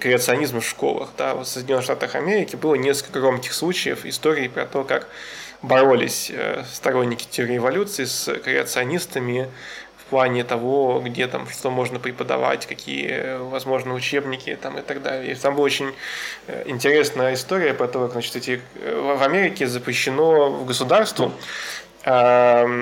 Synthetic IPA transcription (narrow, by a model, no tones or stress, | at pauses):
kɾʲɪət̪sɨɐnʲizmfʂko̞̰lˠə̰xd̪avot̪səjdʲnʲonːɨʂt̪at̪əxɐ̰mʲeɾʲɪkʲɪbɨlˠənʲe̞sk̪əkəɡɾo̞mkʲɪ̥xslˠut͡ɕɪjə̰fɪ̰st̪o̞ɾʲɪːpɾɐ̰t̪o̞kak | bɐɾo̞lʲɪ̰sʲə̰st̪ɐɾo̞nʲːɪkʲɪ̥tʲɪɾʲɪɪvɐlʲut̪sɨɪskɾʲɪət̪sɨɐnʲist̪əmʲɪfplˠanʲɪt̪ɐvo̞ɡdʲe̞t̪a̰mʂt̪o̞mo̞ʐnəpɾʲɪpəd̪ɐ̰va̰tʲkɐkʲḭjə̰vɐzmo̞ʐnɨjəʊt͡ɕe̞bnʲɪkʲɪ̰t̪amɨt̪ɐɡd̪a̰lʲɪj̰t̪ambɨlˠɐot͡ɕʲɪn̰ʲ | ɪnʲtʲɪɾʲe̞snəjəɪst̪o̞ɾʲɪjəpɾɐt̪o̞kakznat͡ɕɪ̥t̪ɛtʲɪvɐmʲeɾʲɪkʲɪzəpɾʲɪɕːɪnovɡəsʊd̪arst̪vʊ | a